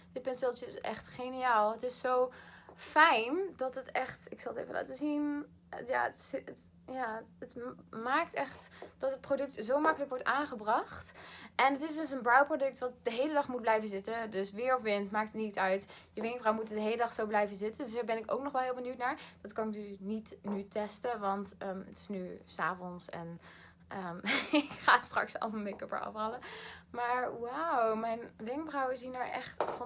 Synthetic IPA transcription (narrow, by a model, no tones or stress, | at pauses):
d̥ɪt̚pɛnsɪlˠtəɪsʔɛ̰χtχenijaːlˠətɪsːowfɛjndɑtətɛχtɪksɑlˠətḛvə̰lʔa̰ːtəzin | ja̰ːətsət | jaːətmaːk̚tɛχtd̥ɑtət̚prodɵk̚tzowmɑkələkʋɔɹtaːnχəbrɑχtʔɛnɦətɪs̬døs̬ənbrawprodɵk̚tʋɑt̚dəɦejlədɑχmud̚blɛjvənzɪtədøsʋɪːɹɔfʋɪntmaːk̚tnitsœɥtjəʋɪŋ̚brɔwəmutədəɦejlədɑχsowblɛjvəzɪtədøsdaːɹbɛnɪko̰ʊwknɔχʋɛlˠɦɪːlˠbənytnaːɹd̥ɑtkɑnɪk̚dənitnytɛstəʋɑntəətɪ̥snysa̰ːvɔnsɛ̰n | ʔəɪkχa̰ːstrɑ̰ksɑ̰lmekəpə̰ɑ̰fɑləmaːɹwawmɛjnʋɪŋbrɔwəzinəɹʔɛ̰χtfɑ